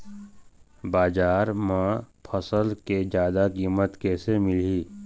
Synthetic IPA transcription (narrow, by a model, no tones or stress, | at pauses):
baːd͡ʒaːɾmãpʰəsəlked͡ʒjaːd̪akiːmət̪kɛːsemɪliː